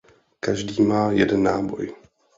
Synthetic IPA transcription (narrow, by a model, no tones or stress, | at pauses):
kaʒdiːmaːjɛdɛnːaːbo̞̰j